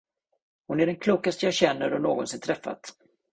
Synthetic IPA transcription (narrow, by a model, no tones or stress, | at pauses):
hʊnæɖɛnkʰluːkast̪əjɑːɕɛnːəɾɔnoːɡɔnsɪnt̪ʰɾɛfːa̰t̪